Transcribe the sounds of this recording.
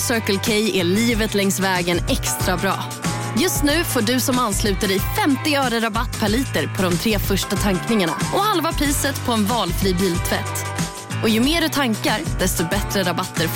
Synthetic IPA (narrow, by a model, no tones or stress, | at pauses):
sœːkəlkʰɛjɛɭiːvət̪lɛŋsvɛːɡənɛkst̪ɾabɾɑ̰ː | jɵst̪nʉ̟ːfoːɖɵsɔmanslʉ̟ːt̪aɖɪfɛmt̪ɪœːɾəɾabat̪ːpʰaɭiːt̪əɾpʰɔd̪ɔmt̪ʰɾeːfœʂʈat̪ʰaŋknɪŋaɳa̰ɔhalvapʰɾiːsət̪pʰɔɛnvɑːlfɾiːbiːlt̪ʰvɛt̪ː | ʔɔjɵmeːɖɵt̪ʰaŋkaɾd̪̥ɛst̪ɔbɛt̪ɾəɾabat̪ːəɾ